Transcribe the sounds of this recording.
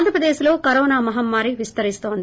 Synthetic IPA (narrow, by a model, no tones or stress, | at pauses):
nd̪ɾɐpɾɐd̪eːʃilo̞ːkɐɾoːnaːmɐɦɐmːaːɾiʋist̪ɐɾist̪o̞ːnd̪i